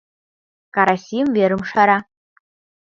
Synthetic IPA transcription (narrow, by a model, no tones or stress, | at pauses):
kʼaɾasimveɾɨmʂaɾa